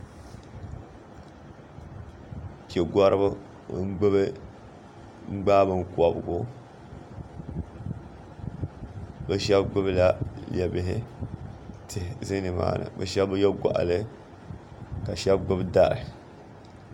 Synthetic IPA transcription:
ke˨ɡɔ˦ɾɨ˦ba˦ | ŋ̩˦ɡ͡bɨ˦bɨ˦ | ŋ͡m̩˦ɡ͡baː˦bɨ˨ŋ̩˨kʷɔ˨bɡʊ˦ | bɛ˦ʃɛ˦bɡ͡bɨ˦bla˦lɛ˨bɪ˨ɦɪ˦ | tʰɪ˨hzɨ˦nɨ˨ma̰ː˨nɨ̰˨bɛ̰˦ʃɛ˦bbjɛ˦ɡʷa̰˨ʔa̰˨lɨ˦ | ka˨ʃɛ˦bɡ͡bɨ˦bda˦˨ɾɨ˨

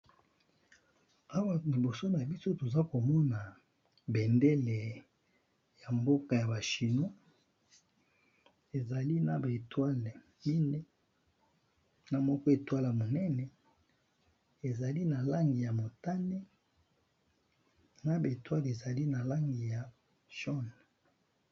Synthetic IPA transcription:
a˦wa˦li˨bo˨so˦na˨bi˦so˦to˨za˦ko˨mɔ˦na˨ | be˨ndɛ˦le˨ | ja˨mbo˦ka˨ja˨ba˨ʃi˨no˦ | e˨za˨li˦na˨ba˨e˨twa˦le˨ | mi˦ne˦ | na˨mɔ˦kɔ˦e˨twa˦la˨mo˨nɛ˦nɛ˨ | e˨za˨li˦na˨la˦ŋɡi˨ja˨mo˨ta˦ne˦ | na˦ba˨e˨twa˦le˨za˨li˦na˨la˦ŋɡi˨ja˨ | ʃɔ˦n˨

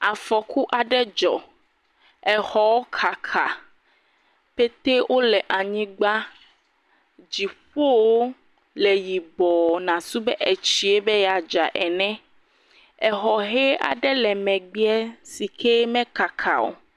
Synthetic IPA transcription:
a˨fɔ˨ku˦ʔa˨ɖɛ˦d͡ʒɔ̰˨ | ɛ˨hɔ˨wo˦kʰa˨kʰa˨ | pe˦t̪e˦wʔo˦lɛ˨ʔa˨ɲĩ˦ɡ͡ba˦ | d͡ʒi˨ɸo˦wo˦ | lɛ˨ji˨bɔ˨nã˨su˦bɛ˦ʔe˨t͡ʃi˦e˦be˦ja˨d͡ʒa˨ʔɛ˨nɛ̃˦ | ɛ˨ɦɔ˨ɦe˦a̰˨ɖɛ˦lɛ˨mɛ̃˨ɡ͡bi˦ɛ˦si˨ke˦mɛ̃˦ka˨kʰa̰˨wo̰˨

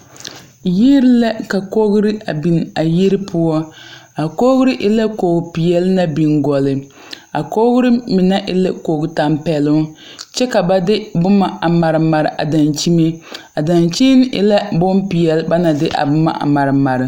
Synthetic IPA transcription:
ji˦ɾla˦ka˨ko˦ɣɾɨ˦a˨bi˨na˨ji˦ɾɨ˦pʰʊ˦ɔ˦a˨ko˦ɣʊ˦ɾɪ˦ʔɪ˦la˦koː˨ɡpi˨jɛ˨lna˦bi˨nɡɔ˨lɨ˨ | a˨ko˦ɣʊ˦ɾɨ˦mɪ˨na˦ʔɪ˦lɪ˦ko˨ɡta˨mpɛ˨lʊ˦t͡ʃɛ˦ka˨ba˦dɪ˦bʊ˦ma˨a˨ma˨ɾɨ˨ma˨ɾɨ̰˨ʔa̰˨da˨nt͡ʃi˦me˦ | a˨da˨nt͡ʃi˦n˦ʔɪ̰˦la˦bʊ˦mpi˨jɛ˨lba˦na˨dɪ˦ʔa̰˨bʊ˦ma̰˨ʔa̰˨ma˨ɾɨ˨ma˨ɾɨ˨

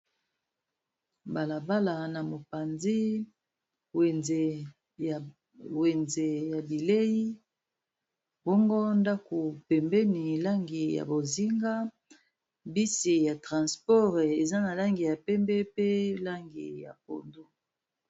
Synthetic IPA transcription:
ba˨la˨ba˦la˨na˨mo˨pa˨nzi˦˨ | we˨nze˨ja˨bi˨le˦ji˦ | bɔ˦ŋɡo˦nda˦ko˨pɛ˨mbɛ˦ni˨la˦ŋɡi˨ja̰˨bo˨zi˦ŋɡa˦ | bi˦si˨ja˨tʁã˨spɔ˦ʁe˨za˦na˨la˦ŋɡi˨ja˨pɛ˦mbɛ˦pe˦la˦ŋɡḭ˨ja̰˨po̰˨ndo˦

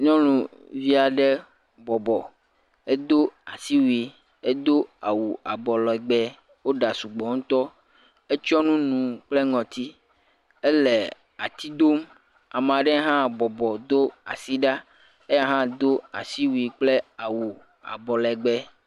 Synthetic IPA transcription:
ɲɔ̃˦lũ˨vi˦a˨ɖɛ˦ | bɔ˨bɔ˨ | e˦d̪o˦a˨si˦wu˨i˨ | e˦d̪o˦a˨wu˨a˨bɔ˨lɔ˨ɛ˨ɡ͡bɛ˦ | wo˦ɖa˨su˨ɡ͡bɔ˨ŋũ˦t̪ɔ˦ | e˦t͡ʃɔ˦nũ˦nũ˨k͡ple˦ŋɔ̃˨t̪i˦ | e˦le˨ | a˨t̪i˦d̪o˦m | a˨m˨ã˨ɖɛ˦ɦã˦bɔ˨bɔ˨d̪o˦a̰˨si˦ɖa˦ | e˦ja˦ɦã˦d̪o˦a̰˨si˦wu˨i˨k͡ple˦a˨wu˨ | a̰˨bɔ˨lɛ˨ɡ͡bɛ˦

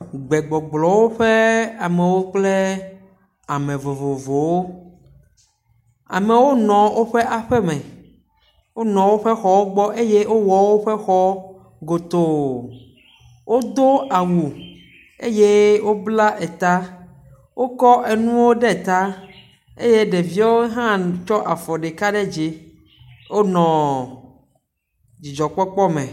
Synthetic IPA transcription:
ɡ͡bɛ˨ɡ͡bɔ˨ɡ͡blɔ˨wo˦ɸe˦a˨mɛ˨wo˦k͡ple˦ | a˨mẽ˨vo˨vo˨vo˨wo˦ | a̰˨me˨wo˦nɔ̃˨wo˦ɸe˦ʔa˨ɸɛ˦mɛ̃˨ | wo˦nɔ̃˨wo˦ɸe˦xɔ˦wo˦ɡ͡bɔ˦ʔe˦je˦wo˦wɔ˨wo˦ɸe˦xɔ˦ | ɡo˨t̪o˨ | wʔo˦d̪o˦a˨wu˨ | ḛ˦je˦wo˦bla˦ʔe˨t̪a˦ | wo˦kɔ˦ʔe˨nũ˦wo˦ɖe˦˨t̪a˦ | ḛ˦je˦ɖe˨vi˦a˦wo˦ɦã˦t͡ʃɔ˦ʔa˨fɔ˨ɖe˨ka˦ɖe˦d͡ʒi˨ | wo˦nɔ̃˨ | d͡ʑi˨d͡ʒɔ˨k͡pɔ˦k͡pɔ˦mḛ̃˨

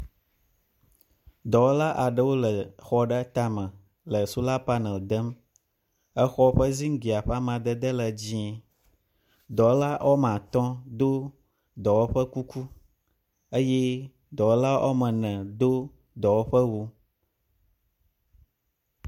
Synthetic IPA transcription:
d̪ɔ˨wo˦la˦ʔa˨ɖə˦wo˦lə˨xɔ˦ɖə˦t̪a˦mə̃˨ | lə˨su˦la˦pa˦nɛ̃˨ld̪ə˦m | ə˦xɔ˦ɸə˦zi˦ŋ̩˦ɡi˨a˨ɸɛ˦a˦mã˨d̪ə˦d̪ə˦lə˨d͡ʑĩ˦ɛ˨ | d̪ɔ˨wla˦ʔo˦m˨ã˨t̪ɔ̃˦d̪o˦ | d̪ɔ˨wo˦ɸə˦ku˦ku˦ | ə˦jɛ˦ | d̪ɔ˨wo˦la˦ʔo̰˦mə̃˨nɛ̃˨d̪o˦ | d̪ɔ˨wo˦ɸə˦wo˦

